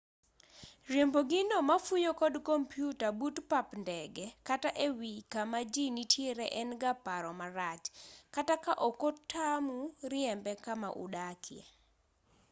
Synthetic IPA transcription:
ɾjemboɡɪnomafujokɔdkompjutabutpapndɛɡɛkataʔewikamad͡ʒinitʰjeɾɛʔɛnɡapaɾɔmaɾat͡ʃkatakaʔokotʰamuɾɪɛmbɛkamaʔṵdakʰɪɛ̰

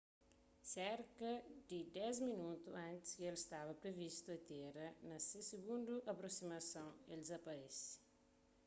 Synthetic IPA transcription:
sɛɾkɐd̪ɪd̪ɛzminut̪uɐ̃nt̪i̥skelist̪avɐpɾevist̪uɐt̪eɾɐnɐsesiɡũnd̪uʔɐpɾosimɐsɐ̃w̃elzɐpɐɾɛs

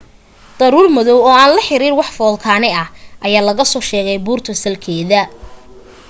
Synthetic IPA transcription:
d̪̥ɐɾuːrmɐðɔwɔːaːnlɐħɪɾiːrwɑħfɔːlkʰaːnɛɐhʔɐjaːlɐɣɐsɔːʃɛːɣɛjbuːrt̪ʰɐsɐlkʰɛːðɐ

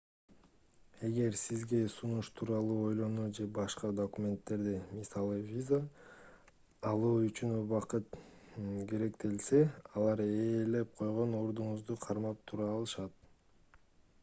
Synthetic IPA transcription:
e̞ɡe̞ɾsizɡe̞sunuʃt̪ʰuːɾɑlˠuːo̞jlˠo̞nuːd͡ʒe̞bɑʃqɑd̪okumʲe̞nt̪ːe̞ɾd̪imisɑlˠɯvʲiza | lˠuːyt͡ʃynβɑqɯt̪ | ɡʲe̞ɾe̞kt̪e̞lse̞ɑlˠɑɾeːle̞p̚qʰo̞jʁono̞ɾd̪uɴuzd̪uqʰɑɾmɑp̚t̪ʰuɾɑːlˠɯʃɑt̪̚

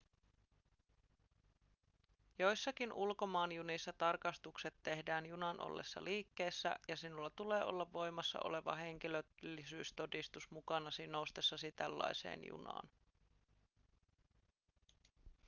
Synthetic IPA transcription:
jo̞jsːɑkinulko̞mɑːnjunisːɑt̪ɑrkɑst̪ukse̞t̪ːe̞hdæːnjunɑnʔo̰lːe̞̰sːɑ̰liːkːe̞ːsːæ̰jɑsinulːɑt̪ule̞ːʔo̞̰lːɑʋːo̞jmɑsːɑ̰ʔo̰le̞ʋɑ̰ɦe̞ŋk̟ilølːisyːst̪o̞dist̪usmukɑnɑsinoust̪esːɑsit̪ælːɑ̰jse̞̰ːnjṵnɑ̰ːn

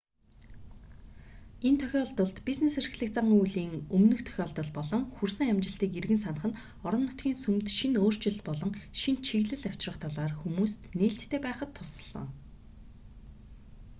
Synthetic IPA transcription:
ent̪ʰœxʲɔɮt̪ɞ̆ɮt̪pʲisneser̆ɮɘ̆k̚t͡saŋujɮiːŋɵmnɵ̆xt̪ʰœ̥xʲɔɮt̪ɞ̆ɮpɔɮɞ̆ŋxursɘ̆ŋæmt͡ɕɪ̆ɬt̪iːkerɣɘ̆nsanə̆χə̆n | ɔɾɞ̆nːʊt̪̚ɡʲiːnsumt̪ʃinoːr̥t͡ɕɪ̆ɮpɔɮɞ̆ŋʃint͡ɕʰiɣɮɘ̆ɮaw̥ʲt͡ɕrə̆χt̪ʰɔɮaːrxumuːst̪neːɬt̪ʰːeːpæːχə̆t̪ʰːʊsə̆ɮə̰̆ŋ

